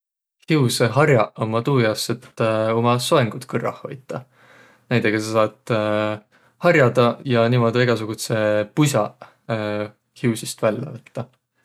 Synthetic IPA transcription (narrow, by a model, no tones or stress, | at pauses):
hiwseɦɑrjɑomːɑt̪uːjɑset̪ːo̞mɑsoeŋɡ̥ut̪kɯrɑ̰hho̞̰jt̪ːˑɑ | næjd̪̥eɡ̥ɑsɑsɑːt̪ | hɑrjɑd̪̥ɑjɑniːmo̞d̪ʲiiɡ̥ɑsuɡ̥ut̪sepusʲɑ | hiwsist̪vælʲːɑ̰vɯt̪ːɑ